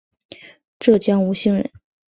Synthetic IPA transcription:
ʈ͡ʂɤ˥˩t͡ɕjɑ˥ŋu˧˥ɕi˥˩ŋɻə̰˧˥n

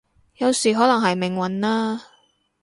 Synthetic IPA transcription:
jɐ˨˧wsiː˨˩ɦɔː˨˥lɐ˨˩ŋɦɐ˨jmɪ˨˩ŋwɐ˨˥nlaː˥

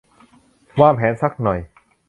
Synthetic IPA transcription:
waː˥˩pʰɛː˨˦nsa˦˥k̚nɔ˨˩j

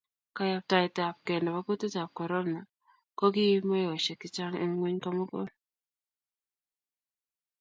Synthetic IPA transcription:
ka˦ja˨p̚ta˨ɪ˨ta˨p̚kɛ˨nda˨ba˦ko˦tɪ˦ta˨p̚kɔ˨ɾɔ˦mna˨ | kɔ˦ki˦i˦ma˦jɔ˨ʃɛ˨kɪ˦t͡ʃa˦ŋɪ̰˦ŋwe˦ɲka˦mɔ˦kɔ̰˦˨n

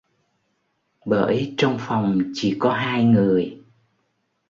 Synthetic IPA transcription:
ɓəː˧˩jt͡ɕɔ˧wŋ͡mfa˨˩wŋ͡mt͡ɕḭ˧˩kɔ˨˦ɦaː˧jŋɨ˨˩əj

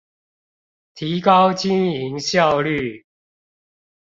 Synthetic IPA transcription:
t̪ʰi˨˦kɑ˦ʊt͡ɕi˦˥ni˨˦ŋɕjɑ˥˨˧ʊly˥˨

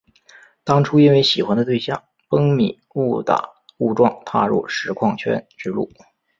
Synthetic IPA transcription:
t̪ɑ˥ŋʈ͡ʂʰu˥i˥nwe˥˩ɪɕi˨˩xwa˧˥nd̪ə˧t̪we˥˧ɪɕjɑ˥˩ŋ | pɤ˥ŋmḭ˨˩˦u˥˩t̪a̰˨˩ | u˥˧ʈ͡ʂwɑ˥˧ŋt̪ʰa̰˥˧ɻṵ˥˩ʂɻ̩˧˥kʰwɑ˥˩ŋt͡ɕʰɥɛ̰˥nʈ͡ʂɻ̩˥lṵ˥˩

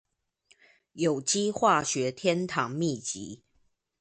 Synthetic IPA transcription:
jo˨˩ʊt͡ɕi˦xwa˥˨ɕɥɛ˨˦t̪ʰjɛ˦nt̪ʰɑ˨˦ŋmi˥˨t͡ɕḭ˨˦

